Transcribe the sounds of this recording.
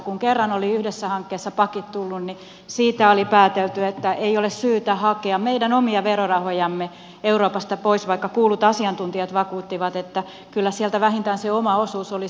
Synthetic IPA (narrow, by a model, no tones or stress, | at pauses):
kuŋkerːɑnoliyhdesːæhɑŋkːeːsːɑpɑkit̪t̪ulːunni | siːt̪æolipæːt̪elt̪yet̪ːæʔeiolessyːt̪æhɑkeɑmmeidænomiɑʋerorɑhojɑmːe | euroːpɑst̪ɑpoisʋɑikːɑkuːlut̪ɑsiɑnt̪unt̪iɑt̪ʋɑkuːt̪ːiʋɑt̪et̪ːæ | kylːæsiælt̪æʋæhint̪æːnseomɑosuːsoli